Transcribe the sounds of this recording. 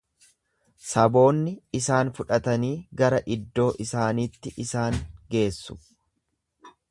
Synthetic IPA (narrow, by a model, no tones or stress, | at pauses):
sɐbo̞ːnːɪɪsaːnfʊᶑɐt̪ɐniːɡɐɾɐʔɪd̪ːo̞ːʔɪsaːniːt̪ːɪʔɪsaːŋɡe̞ːsːʊ̥